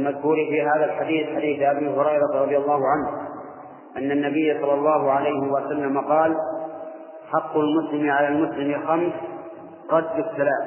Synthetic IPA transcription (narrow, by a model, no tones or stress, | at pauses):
lmaðhuːɾifiɦaːðalħad̪iːθħad̪iːθʔabiɦʊɾɑjɾˤɑɾˤɑdðˤjalˤːɑːhʊʕanh | ʔanːanːabɪjːasˤɑlːɑlˤːɑːhʊʕalajhɪwasalːamaqɑːl | ħɑqːʊlmʊslɪmʕalalmʊslɪmɪxams | ɣɑd̪ːɪt̪ːalaː